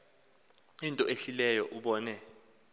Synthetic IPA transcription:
intʼɔʔeɬilɛjɔʔuɓɔːnɛ

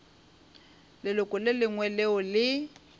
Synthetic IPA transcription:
lɪlʊkʼʊlɪlɪŋwɛleʊlɪ

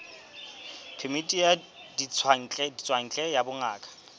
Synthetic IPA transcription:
pʰemitʼija | dit͡sʰaŋ̩t͡ɬʼɛdit͡sʼwaŋ̩t͡ɬʼɛjabʊŋaːkʰʼḁ

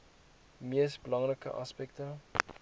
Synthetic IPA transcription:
miəsbəlɐŋrəkəʔa̰spɛktə

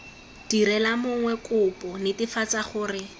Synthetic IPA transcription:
d̥iɾɛlamʊŋwɛkʊpʼɔnɪtifat͡saχʊːrɪ

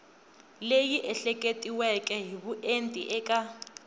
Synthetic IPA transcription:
lejiʔɛɬɛkʼetʼiwɛkʼɛɦiβuʔentʼḭʔɛkʼa

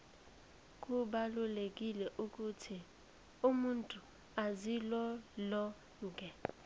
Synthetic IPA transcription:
k̬ʼuɓalulekʼilɛʔukʼutʰi | umuntʼu | azilɔlɔ | ŋkʼɛ

